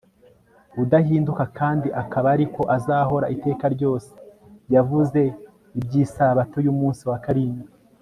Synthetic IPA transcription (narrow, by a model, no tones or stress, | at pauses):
udahiːndukakaːndiʔakaβaɾiko̞ʔazaːho̞ɾa̰ʔite̞ːkaɾɟo̞ːse̥ | javuze̞ | ibɟiːsaβato̞jumuːnsiwakaɾini